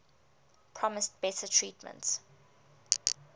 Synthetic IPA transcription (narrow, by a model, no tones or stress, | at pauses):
pʰɹɔmɪstb̥ɛtʰətʰɹiːtmə̰̃nts